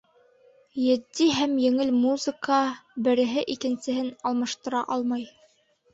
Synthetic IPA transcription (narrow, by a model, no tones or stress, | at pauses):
jɘ̆d̪ːiɦæmjɘ̆ŋɘlmuzɨkɑbɘ̆ɾɘ̆ɦɘʔikɘ̆nsɘ̆hɘnɑlˠmɑʃt̪ɤ̆ɾɑʔɑlˠmɑj